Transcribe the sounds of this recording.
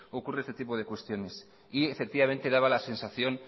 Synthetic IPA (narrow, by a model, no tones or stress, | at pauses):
okure̞est̪et̪ipo̞ð̞e̞kwe̞st̪jo̞ne̞s | iefe̞k̚t̪iβamẽ̞nt̪e̞ðaβalase̞nsaθjo̞n